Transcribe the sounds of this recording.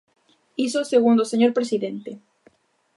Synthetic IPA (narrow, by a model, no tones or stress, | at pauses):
isoseɣund̪oseɲo̞ɾpɾesiðent̪e